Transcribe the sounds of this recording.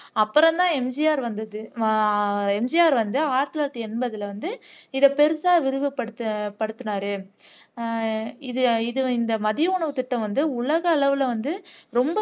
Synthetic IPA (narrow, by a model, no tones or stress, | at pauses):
ɐpːɯɾɐ̃nd̪ãːɛmd͡ʒɪjaːɾʋɐnd̪ɐðɯ | ɛmd͡ʒɪjaːɾʋɐnd̪ɯaːɾt̪ɪlaːɾʈ̪ːɯɛnbɐðɪlʋɐnd̪ɯɪðɐpɛɾɯsaːʋɪɾɯʋɯpɐɽɯt̪ːpɐɽɯt̪ːɯnaːɾɯ | ɪðɯɪðɯɪnd̪ɐmɐðɪjɐʊɳɐʋɯt̪ɪʈːɐ̃mʋɐnd̪ɯʊɭɐɣɐːɭɐʋɪlɐʋɐnd̪ɯɾɔmbɐ